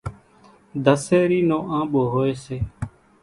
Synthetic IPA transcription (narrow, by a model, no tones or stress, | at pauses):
d̪əseːɾiːnõːʔãːɓoːɦoːeːseː